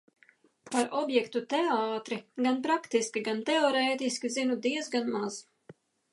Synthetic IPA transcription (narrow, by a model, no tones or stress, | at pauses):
paɾɔbjɛkt̪ut̪ɛaːt̪ɾiɡanpɾakt̪iskʲiɡant̪ɛɔɾɛːt̪iskʲizinud̪iɛzɡanmaz̥